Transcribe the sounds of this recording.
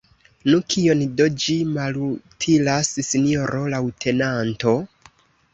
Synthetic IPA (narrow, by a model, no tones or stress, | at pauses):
nukʰio̞ndo̞d͡ʒimalutʰilassinijo̞ɾʔo̞lawtʰe̞nanto̞